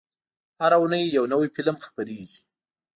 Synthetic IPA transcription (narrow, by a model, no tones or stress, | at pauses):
haɾaunəjːawnawifɪlmxpaɾeɡi̥